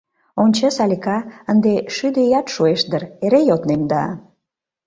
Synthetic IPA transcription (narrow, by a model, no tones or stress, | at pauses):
onʲt͡ɕesɑlʲikɑənd̪eʃyd̪ejɑt̪ʃueʃd̪əɾeɾejot̪nemd̪ɑ̰